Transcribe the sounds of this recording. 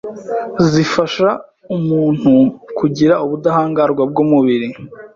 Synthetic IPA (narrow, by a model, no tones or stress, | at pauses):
zifaʃa | umuːn̥hukʰuɟiɾauβudahaːŋɡaɾɡwab̚ɡomuβiɾi